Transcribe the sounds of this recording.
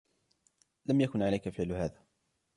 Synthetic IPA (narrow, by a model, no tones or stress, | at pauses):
lamjakʊnʕalajkafɪʕlʊhaːðaː